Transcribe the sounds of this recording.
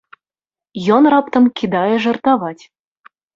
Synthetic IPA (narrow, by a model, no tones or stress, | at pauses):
jɔnrapt̪ɐmkʲid̪ajɛʐɐrt̪avat͡sʲ